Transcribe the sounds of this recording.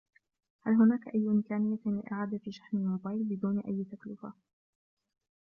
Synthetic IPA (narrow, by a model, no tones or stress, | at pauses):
halɦʊnaːkaʔajːʔɪmkaːnɪjːalɪ̰ʔa̰ʕaːd̪afiːʃaħnɪmoːbaːjlbɪd̪uːnʔajːt̪aklʊfa̰